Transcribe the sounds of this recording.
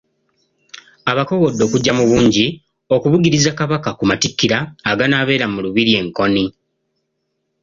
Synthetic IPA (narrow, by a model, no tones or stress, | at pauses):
aβako̞ɣo̞dːo̞ːkuɟːamuβuːɲɟi | o̞kuβuɡiɾizakaβakakumatikːiɾaːɡanaβe̞ːɾamuluβiɾie̞ŋko̞ni